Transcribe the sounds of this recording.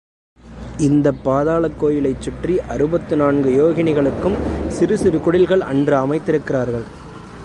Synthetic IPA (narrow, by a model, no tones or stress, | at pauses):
ɪnd̪ɐpːaːðaːɭɐkːoːjɪlɐɪt͡ʃːɪʈriʔɐɾɯbɐt̪ːɯnaːnɡɯjoːɣɪnɪɣɐɭɯkːɯmsɪɾɯsɪɾɯkʊɽɪlɣɐɭɐɳdrɯɐmɐɪt̪ːɪɾɯkːɪraːɾɣɐɭ